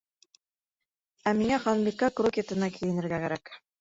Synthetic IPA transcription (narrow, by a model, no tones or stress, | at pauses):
æmiŋæχɑnlikːɑkrokʲet̪ɤ̆nɑkʰijɘ̆nɘ̆ɾɡækæɾæk